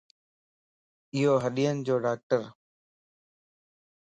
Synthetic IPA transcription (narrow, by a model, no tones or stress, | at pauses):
ɪɦoːɦəɗiːənɪd͡ʑoːɖaːk̚ʈəɾ